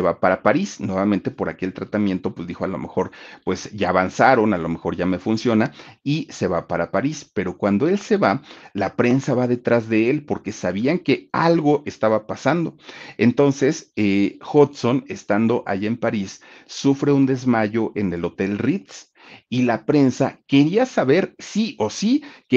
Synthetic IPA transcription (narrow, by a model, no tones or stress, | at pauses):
eβapaɾapaɾisnweβamẽnt̪e̞po̞ɾake̞lt̪ɾat̪amjẽ̞nt̪o̞pwezðd̪ixo̞alo̞̰me̞xo̞ɾpwe̞sʝaːβansaɾo̞nalo̞me̞xo̞ɾʝame̞funsjo̞naise̞βapaɾapaɾispe̞ɾo̞kwand̪o̞e̞lse̞βalapɾe̞nsaβaðe̞t̪ɾazðe̞e̞lpo̞ɾke̞saβiaŋke̞a̰lɣo̞ʔe̞st̪aβapasand̪o̞e̞nt̪o̞nse̞sexo̞t̪so̞ne̞st̪and̪o̞ʔa̰ʝie̞mpaɾisː | ufɾe̞und̪e̞zmaʝo̞ʔe̞ne̞lo̞t̪e̞lrit̪s | ilapɾe̞nsake̞ɾiasaβe̞ɾsiʔo̞sike